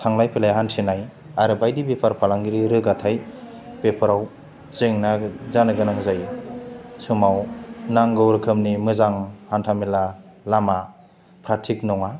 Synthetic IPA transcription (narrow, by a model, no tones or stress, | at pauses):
tʰaŋlajpʰelajɦantʰinaj | aɾɯbajdibepʰaɾpʰalaŋɡiɾiɾɯɡatʰaj | pepʰɯɾaw | zeŋnazanɯɡɯnaŋzaj | sumawnaŋɡɯwɾɯkʰɯmnimɯzaŋhantʰamila | lama | pʰɾatʰik̚nɔŋa